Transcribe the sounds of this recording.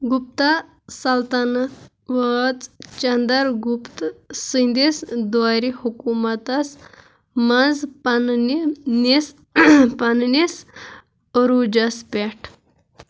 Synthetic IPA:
ɡup̚t̪a | sɐlt̪anɐ | ʋət͡st͡ʃɐnd̪ɐɾɡupt̪sɨnd̪esd̪waɾihukumɐt̪ɐs | mɐnd͡zpɐnnines | pɐnnis | ɾud͡ʒɐspʲeʈʰ

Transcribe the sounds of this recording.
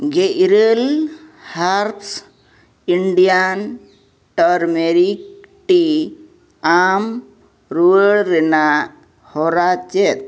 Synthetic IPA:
ɡeʔɾelhaɾt̪ʰs | iɳɖijan | ʈəɾmeɾik̚ʈi | am | ɾuəɽɾɛna | hɔɾat͡ʃɛt̪̚

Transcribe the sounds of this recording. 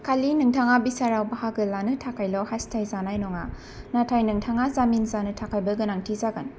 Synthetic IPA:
kʰalinɯŋtʰaŋabisaɾawbaɦaɡɯlanɯtʰakʰajlɔwhastʰajzanajnɔŋa | natʰajnɯŋtʰaŋazaminzanɯtʰakʰajbɐɡɯnaŋtʰizaɡan

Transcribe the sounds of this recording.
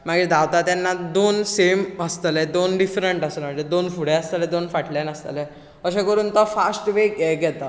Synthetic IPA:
maɡid̪aʋt̪at̪janːad̪onseməst̪əlɛd̪onɖifɾəɳʈəsəlmad͡ʑed̪onfuɽ̤ɛ̃əst̪əlɛd̪onfaʈljanəst̪ə̰lɛ | əɕẽkəɾuːnt̪ɔfasʈʋekɛɡɛt̪a

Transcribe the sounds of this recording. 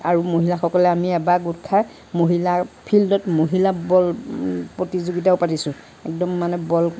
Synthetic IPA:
aɹumoɦilaxɔkɔlɛamiɛbaɡutkʰa | moɦilapʰildɔtmoɦilabɔlpɹotizuɡit̬aʊpatisʊ̃ | ɛk̚dɔmːanɛbɔl

